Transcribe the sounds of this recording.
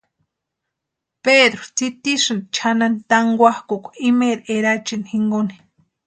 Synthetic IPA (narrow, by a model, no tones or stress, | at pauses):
ped̪ɾot͡sit̪iʃɨnt͡ʃʰanant̪aŋɡʷahkokʷimeɾeɾat͡ʃinhiŋɡoni̥